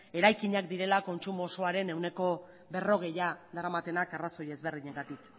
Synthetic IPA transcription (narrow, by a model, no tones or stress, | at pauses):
e̞ɾajkiɲakd̪iɾe̞lako̞nt͡ʃumoso̞aɾe̞ne̞wne̞ko̞ | βe̞ro̞ɣ̞e̞jad̪aɾamat̪e̞nakaraso̞jezβe̞rðiɲeŋɡat̪ik